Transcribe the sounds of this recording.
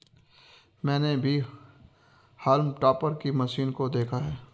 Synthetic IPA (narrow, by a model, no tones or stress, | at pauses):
mɛ̃ːnebʱi | hɐlmʈaːpəɾkimɐʃiːnkod̪eːkʰaɦɛː